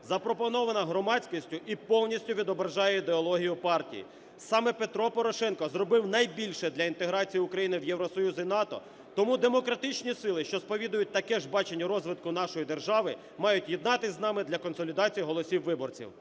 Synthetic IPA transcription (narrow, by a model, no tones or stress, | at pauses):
zɐpɾɔpɔnɔʋɐnɐɦɾɔmɑt͡sʲkisʲtʲʊʔipɔwnʲisʲtʲʊʋʲid̪ɔbɾɐʒɑjɛid̪eɔlˠɔɦʲijʊpɑrtʲḭjḭ | sɑmɛpet̪ɾɔpɔɾɔʃɛnkɔzrɔbɪwnɐjbʲilʲʃɛd̪lʲɐint̪eɦɾɑt͡sʲijiʊkɾɐjinɪwjɛwɾɔsɔjuzinɑt̪ɔ̰ | t̪ɔmud̪emɔkɾɐt̪ɪt͡ʃnʲisɪlˠɪʃt͡ʃɔspɔʋʲid̪ʊjʊt̚ʲt̪ɐkɛʒbɑt͡ʃenʲːɐɾɔzʋɪd̪kʊnɑʃɔjid̪erʒɑʋɪ | mɑjʊtʲjɛd̪nɑt̪ɪzʲnɑmɪd̪lʲɐkɔnsɔlʲid̪ɑt͡sʲijiɦɔlˠɔsʲiwːɪbɔrt͡sʲḭw